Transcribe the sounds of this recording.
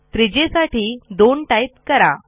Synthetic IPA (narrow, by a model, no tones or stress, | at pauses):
t̪ɾid͡ʑesaʈiːd̪oɳʈajt̪kəɾa̰